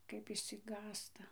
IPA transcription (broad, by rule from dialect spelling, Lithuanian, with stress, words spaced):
kɐɪp ɪʃʲsʲɪˈɡɑːstɐ